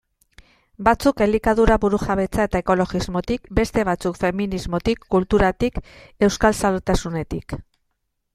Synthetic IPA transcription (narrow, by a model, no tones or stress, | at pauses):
bat͡suke̞likaðuɾaβuɾuxaβe̞t͡sae̞t̪ae̞ko̞lo̞ɣizmo̞t̪ikbe̞st̪e̞β̞at͡sukfe̞minizmo̞t̪ikːult̪uɾat̪ike̞wskalsalt̪asune̞t̪ik